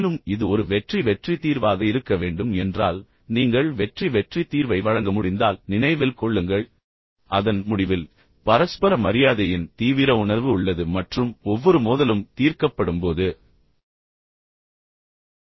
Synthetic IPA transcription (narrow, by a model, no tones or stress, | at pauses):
nɯmɪðɯɔɾɯʋɛʈriʋɛʈrit̪iːɾʋaːɣɐɪɾɯkːɐʋeːɳɖɯmɛndraːl | niːŋɡɐɭʋɛʈriʋɛʈrit̪ːiːɾʋɐɪʋɐɻɐŋɡɐmʊɽɪnd̪aːlnɪnɐɪʋɪlkɔɭːɯŋɡɐɭ | ʔɐðɐnmʊɽɪʋɪl | pɐɾɐspɐɾɐmɐɾɪjaːðɐjɪnt̪iːʋɪɾɐʊɳɐɾʋɯʊɭːɐðɯmɐʈrɯmɔʋːɔɾɯmoːðɐlɯmt̪iːɾkɐpːɐɽɯmpoːðɯ